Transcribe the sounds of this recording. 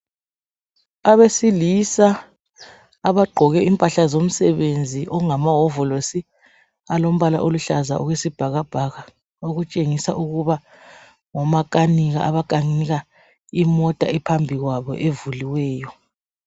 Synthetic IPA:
aβesilisa | aβaɡ͡ǃʱɔɣɛimpʼaɬazom̩sɛβend͡zʱiʔɔŋamaɦɔvɔlosi | alom̩βala̰ʔoluɬaza̰ʔṵɣwesib̥ʱaɣab̥ʱaɣa | oɣut͡ʃʼeŋisaʔuɣuβa | ŋɔmakʼaniɣa̰ʔaβakʼaŋiɣa | imɔtʼa̰ɛpʰambʱiɣwaβɔ̰ʔevuliwɛːjɔ

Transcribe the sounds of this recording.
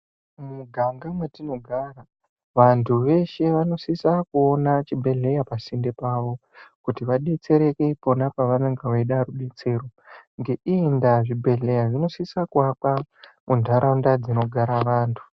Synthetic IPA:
muɡʱaŋɡamwetino̞ɡʱara | ʋantʰuʋe̞ʃe̞ʋano̞sisakuo̞nat͡ʃibʱe̞ɮe̞japasindepaːʋo̞ | kutiʋaɗe̞t͡se̞ɾeke̞po̞napaʋaneŋɡeʋaiɗaruɗet͡se̞ːɾoŋɡe̞ʔiːndaʐibʱe̞ɮe̞jaʐino̞sisakuapamʔundʱaɾʔaundad͡zino̞ɡʱaɾaʋaːntʰu̥

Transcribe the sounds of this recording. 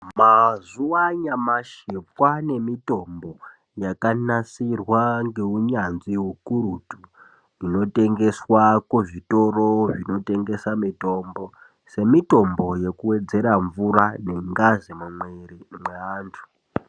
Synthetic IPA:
mazuwaɲamaʃip̚wane̞mito̞mbo̞ | jakanasirwaŋɡe̞uɲanziwukuɾutu | ino̞te̞ŋɡe̞swakuʐito̞ro̞ʐino̞te̞ŋɡe̞samito̞mbo̞ | se̞mito̞mbo̞je̞kuwe̞d͡ze̞ɾaɱvurane̞ŋɡazimumwerimweaːntʰu̥

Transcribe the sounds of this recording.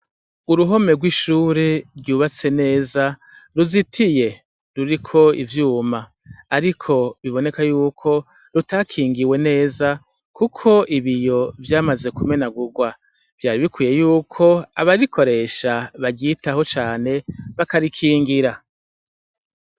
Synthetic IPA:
uɾuɦo̞me̞ɡwiʃuːɾeɾɟuːβat͡se̞ne̞ːza | ɾuzitʰije̞ | ɾuɾikʰo̞ḭvjuːmaː | ɾikʰo̞βiβo̞ne̞kajuːkʰo̞ | ɾutakʰiːŋɡiwe̞ne̞ːza | kukʰo̞ʔiβijo̞vjaːmaze̞kume̞naɡuɡwa | v̥jaːɾiβikwiːje̞juːkʰo̞a̰βaɾikʰo̞ɾe̞ːʃaβaɟitaho̞t͡ʃaːne̞βakaɾikʰiːŋɡiɾa

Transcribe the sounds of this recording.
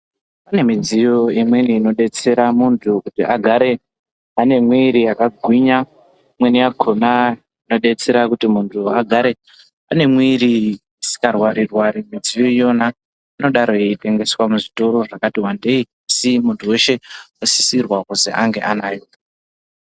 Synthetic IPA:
pane̞mid͡zijo̞imweniːno̞ɗe̞t͡se̞ɾamuntʰukutiʔaɡʱaɾe̞ | ane̞mwiɾiakaɡʱwiɲa | mweniaɡʱona | ino̞ɗe̞t͡se̞ɾakutimuntʰuaɡʱaɾe̞ | ane̞mwiɾi | isi̥karwaɾirwaɾimid͡zijo̞ijo̞na | ino̞ɗaɾo̞eite̞ŋɡe̞swamuʐito̞ɾo̞ʐakatiwande̞i | asimuntʰuwe̞ʃe̞osi̥sirwakuzḛʔaŋɡe̞ʔanaːjo

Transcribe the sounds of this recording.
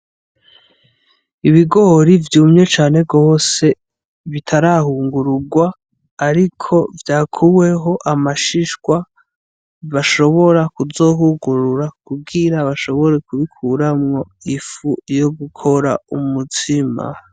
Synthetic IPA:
iβiɡo̞ɾivjuːmɲe̞t͡ʃaːne̞ɡo̞ːse̞ | βitʰaɾahuːŋɡuɾuɡwaː | ɾikʰo̞vjaːkʰuβwe̞ɦo̞ʔamaʃiʃkwa | βaʃo̞βo̞ɾakuzo̞ɦuɡuɾuɾakubɡiɾaβaʃo̞βo̞ɾe̞kuβikʰuɾamŋo̞ifujo̞ɡukʰo̞ɾa̰umutʰima̰

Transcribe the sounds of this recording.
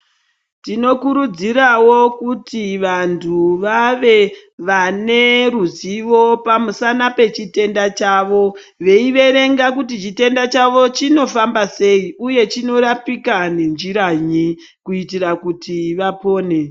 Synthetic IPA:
tino̞kuɾud͡ziɾawo̞kutiʋantʰuʋaʋe̞ | ʋane̞ruziʋo̞pamusanape̞t͡ʃite̞ndat͡ʃaʋo̞ | ʋe̞iʋe̞ɾe̞ŋɡakutit͡ʃite̞ndat͡ʃaʋo̞t͡ʃino̞fambase̞iuje̞t͡ʃino̞rapikane̞nd͡ʒiɾaɲi | kuitirakutiʋapo̞ːne̞

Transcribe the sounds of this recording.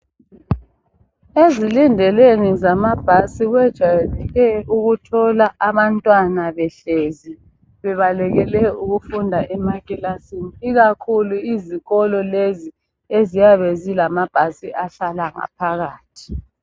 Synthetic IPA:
ezilindʱɛlenizamab̥ʱasiɣwɛd̥ʒ̥ʱajɛlɛɣɛuɣutʰɔlaʔaβantʼwanaβɛɬezi | βɛβalɛɣɛlɛuɣufundʱaʔɛmakilasiniɣakʰuluiziɣɔlɔlezi | ezijaβezilamab̥ʱasiʔaɬalaŋa̰pʰaɣaːtʰi̥

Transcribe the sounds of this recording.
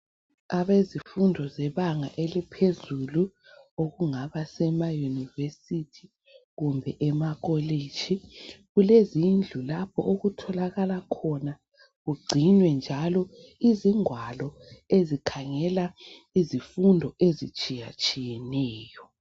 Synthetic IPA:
aβezifundʱɔzɛβaŋa̰ʔelipʰezuluoɣuŋaβasɛmajunivesitʰi | ɣumbʱɛʔɛmaɣɔled̥d͡ʒ̥ʱiɣulezind͡ɮʱulap̚ʰɔ̰ʔoɣutʰɔlaɣalakʰɔna | ɣuɡ͡ǀʱinwɛnd͡ʒʱalɔ | iziŋwalɔ | ezikʰaŋɛla | izifundʱɔezit͡ʃʼija̰t͡ʃʼijɛnɛːjɔ

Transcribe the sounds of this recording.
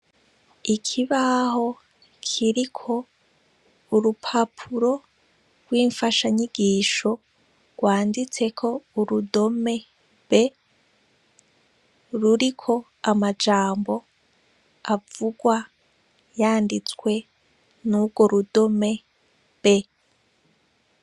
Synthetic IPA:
ikʰiβaho̞ | kʰiɾikʰo̞ | uɾupʰapʰuɾo̞ | ɾwiːɱfaʃaɲiɡiːʃo̞ | ɡ̥waːndit͡se̞kʰo̞uɾudo̞me̞ | βe | ɾuɾikʰo̞ | amad͡ʒaːmbo̞ | avuɡwa | jaːndit͡swe̞ | nuɡwo̞ɾudo̞me̞ | be̞

